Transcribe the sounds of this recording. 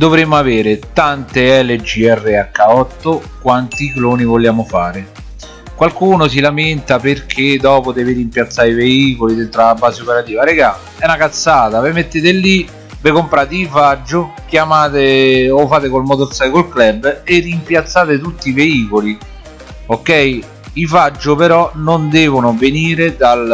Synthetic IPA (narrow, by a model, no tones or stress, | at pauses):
d̪ovɾemːʊaveːɾɪt̪ant̪eɛled͡ʒiɛrːeakːaɔt̪ːʊ | kwant̪ikloːnivoljaːmʊfaːɾɪ | kwalkuːnos̬ilamɪnt̪aperk̟ʰed̪ɔːpod̪ɛviɾimpjat̪sːaːɾiveiːkolid̪ent̪ɾaːbːaːzeopeɾat̪iːvaɾeɡal | ɛnakat̪sːaːt̪avemet̪ːeːt̪ɪlːi | vɪkompɾaːt̪iifad͡ʒːʊkjamaːt̪ɪofaːt̪ɪkolmot̪oɾsaːkolklɛbːerːimpjat̪sːaːt̪ɪt̪ut̪ːiveiːkoli | okːɛj | ifad͡ʒːʊpeɾɔnʊnd̪ɛːvʊnʊveniːɾed̪al